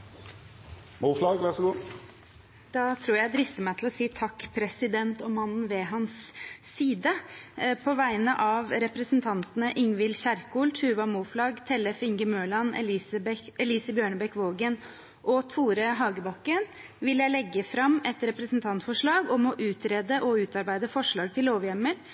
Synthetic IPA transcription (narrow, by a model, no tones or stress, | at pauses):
muːflɑɡʋæsɡuː | d̪̥ɑt̪ʰɾuːɾjæɪd̪ɾɪst̪əmæɪt̪ʰl̩ɔsiːt̪ʰɑkːpʰɾɛsɪd̪ɛnt̪ɔmɑnn̩ʋɛɦɑnsː | iːd̪əpʰɔʋæɪnəʔɑʋɾɛpɾəsənt̪ʰɑnt̪ənəʔɪŋʋɪlɕæɾkuːlt̪ʰʉːʋɑmuːflɑːɡt̪ʰɛlɛfɪŋɡəmøːɭɑnɛ̰lisbɛliːsəbjøːɳəbɛkʋoːɡən | ʔɔt̪ʰuːɾəɦɑːɡəbɑkːən | ʋɪljæɪlɛɡːəfɾɑmːɛt̪ɾɛpɾəsn̩t̪ʰɑnt̪fɔʂɭɑːɡɔmɔʔʉːt̪ɾeːd̪əʔɔʉːt̪ɑɾbæɪd̪əfɔʂɭɑːɡ̚t̪ʰɪlːoːʋjɛmːəɾ